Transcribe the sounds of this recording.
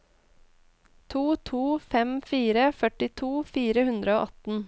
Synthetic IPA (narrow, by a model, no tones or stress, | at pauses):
t̪ʰuːt̪ʰuːfɛmfiːɾəfœʈɪt̪ʰuːfiːɾəhʉnd̪ɾəo̰ːʔɑt̪n̩